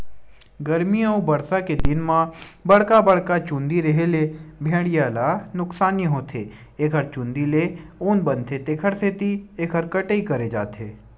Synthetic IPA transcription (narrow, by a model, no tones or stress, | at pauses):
ɡɐɾmioːbɐɽsaked̪ɪnmãbɐɽ̤kabəɽkat͡ʃũnd̪iɾɐɦelebʱẽːɽijaːlanʊksaːnijɦoːt̪ʰeː | eːkʰəɾt͡ʃʊ̃ːnd̪ileoːnbɐnt̪ʰet̪eːkʰəɽset̪ieːkʰəɾkɐʈəikɐɾed͡ʒa̰ːt̪ʰeː